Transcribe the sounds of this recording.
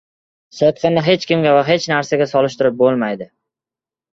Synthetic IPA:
sɨt̪̚qʰɨnɪɦe̞t͡ʃkʲɪmɡʲavaɦe̞t͡ʃnaɾsaɡʲasɒlɪʃt̪ɪɾɪp̚bolˠmajd̪ɪ

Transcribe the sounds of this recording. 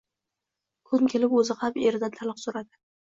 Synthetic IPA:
kʰʊnkʲʰe̞lɪpɵzɪqʰɑpeɾɪd̪at̪ʰalˠɨqsoɾad̪ɪ

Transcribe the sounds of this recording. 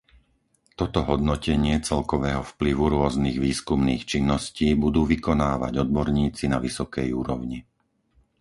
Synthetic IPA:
t̪ɔt̪ɔɦɔd̪nɔcɛɲɪɛt͡sɛlkɔʋɛːɦɔfpliʋuɾʊɔzniɣʋiːskumniːxt͡ʃinːɔsciːbud̪uːʋikɔnaːʋa̰ɟɔd̪̚bɔɾɲiːt͡sinaʋisɔkɛjuːɾɔ̰ʊɲi

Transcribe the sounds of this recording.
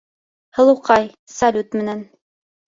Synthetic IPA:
hɤ̆lˠuqɑj | salʲut̪mɘ̆næn

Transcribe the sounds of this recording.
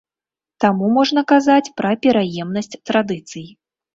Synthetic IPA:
t̪amumɔʐn̪ɐkazat͡sʲpɾɐpʲɛɾajɛmnɐsʲt͡sʲt̪ɾad̪ɨt̪sɨji

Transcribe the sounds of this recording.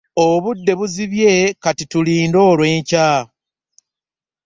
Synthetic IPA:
oβudːe̞βuziβje̞katituliːndo̞ːlwe̞ːɲca

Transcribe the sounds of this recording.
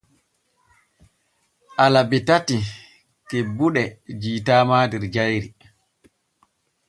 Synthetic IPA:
ʔalabitati | kebuɗɛd͡ʒiːtaːmaːdɛɾd͡ʒajɾi

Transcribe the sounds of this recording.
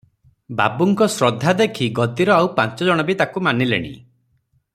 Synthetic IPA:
ba̰buŋkɔsɾɔd̪ʱːad̪ekʰiɡɔt̪iɾɔawpant͡ʃɔd͡ʒɔɽ̃ɔbit̪akumanilḛɽ̃ḭ

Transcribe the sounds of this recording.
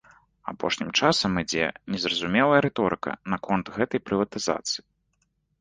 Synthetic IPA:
a̰pɔ̰ʂnʲimt͡ʂasɐmid͡zʲɛ̰nʲɛzrɐzumʲɛlˠɐjɐɾɛt̪ɔɾɨkɐ̰nɐkʰɔnt̪ɣɛt̪ɐjpɾɨvɐt̪ɨza̰t̪sɨji

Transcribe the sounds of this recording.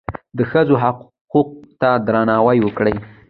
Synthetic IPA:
d̪əxəzoɦaq | quq̚t̪ad̪ɾanɑwajwəkɽəj

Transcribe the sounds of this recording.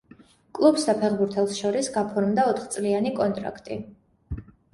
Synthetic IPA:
kʼlˠubsd̪apʰɛχbuɾt̪ʰɛlˠsʃɔɾisɡapʰɔɾmd̪aɔt̪ʰχt̪sʼlianikʼɔnt̪ʼɾa̰kʰt̪ʼi

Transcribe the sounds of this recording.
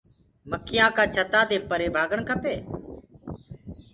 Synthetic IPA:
məkʰːɪjãːkaːt͡ʃʰət̪aːd̪eːpəɾeːbʱaːɡəɳkʰəpeː

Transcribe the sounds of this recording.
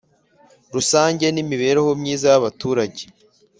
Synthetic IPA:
ɾusaːɲɟe̞nimiβe̞ːɾeho̞mɲiːzajaβatuːɾaɟe̥

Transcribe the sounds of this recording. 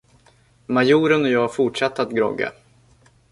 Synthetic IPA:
majuːɾənɔjɑːfʊʈʂat̪ːəat̪ɡɾɔ̰ɡa̰

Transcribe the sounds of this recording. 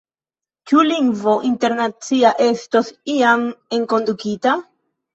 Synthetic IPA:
t͡ʃuliŋɡvo̞ʔinte̞ɾnat͡siaʔe̞sto̞siame̞ŋko̞ndukita

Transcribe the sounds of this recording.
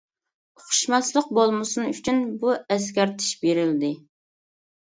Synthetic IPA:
oχʊ̥ʃmɑslˠəq̚bolˠmɨsunyt͡ʃʰynbuɛs̬kʲɛɾt̪ʰɪ̥ʃbeɾɪld̪ɪ

